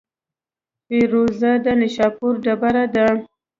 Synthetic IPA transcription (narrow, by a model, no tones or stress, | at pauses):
peɾozad̪anɪʃɑpuɾɖabaɾad̪a